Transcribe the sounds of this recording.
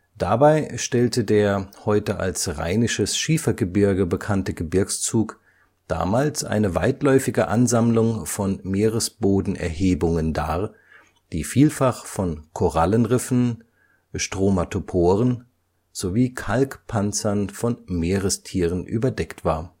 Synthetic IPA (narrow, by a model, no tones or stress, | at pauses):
d̥abaɪʃtɛltədeːɐhɔʏtəʔa̰lsʁa̰ɪnɪʃəsʃiːfɐɡəbɪɐɡəbəkʰantəɡəbɪɐkst͡suːk | d̥a̰ːmaːlsʔa̰ɪnəva̰ɪtlɔʏfɪɡəʔanzamlʊŋfɔnmeːʁəsb̥oːdn̩ʔɛ̰ɐheːbʊŋənda̰ːɐ | d̥iːfiːlfaχfɔnkʰoʁalənʁɪfn̩ | ʃtʁ̥oːmatʰopʰoːʁən | z̥oviːkʰalkpʰant͡sɐnfɔnmeːʁəstʰiːʁənʔy̰ːbɐdɛktv̥aːɐ